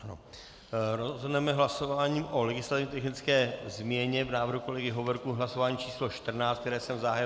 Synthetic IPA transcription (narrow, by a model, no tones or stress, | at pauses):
ano̰ | ɾozɦodnɛmɛɦlaso̞vaːɲiːmʔo̞lɛɡɪslat̪ɪvɲɛt̪ɛxnɪt͡skɛːzmɲɛɲɛvnaːvr̩ɦuko̞lɛɡɪɦovɾkuɦlaso̞vaːɲiːt͡ʃiːslo̞ʃt̪r̩naːt͡st̪k̚t̪ɛɾɛːsɛmzaɦajɛ